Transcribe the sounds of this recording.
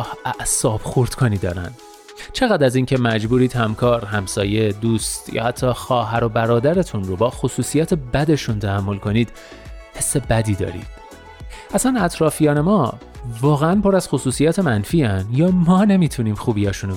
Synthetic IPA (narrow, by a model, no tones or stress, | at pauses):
hʔæʔsɒːb̥xoɾd̪̥kʰoniːd̪ɒ̰ːɾæ̰n | t͡ʃʰe̞ɣæːd̪æziːncʰe̞mæd͡ʒbuːɾiːd̪̥hæmkʰɒːɾhæmsɒːje̞d̪uːst̪jɒ̰ːhæt̪ʰːɒːxɒːɦæɾo̞bæɾɒːd̪æɾe̞t̪ʰunro̞bɒːxosuːsijɒːt̪ʰe̞bæd̪e̞ʃunt̪ʰæhæmːo̞lkʰo̞niːd̪̥ | he̞sːe̞bæd̪iːd̪ɒ̰ːɾḭːd̪̥ | ʔæsænæt̪ʰɾɒːfijɒːne̞mɒː | vɒːɣeænpo̞ɾæz̥xosuːsijɒːt̪ʰe̞mænfiːænjɒːmɒːne̞miːt̪ʰuniːmxuːbijɒːʃun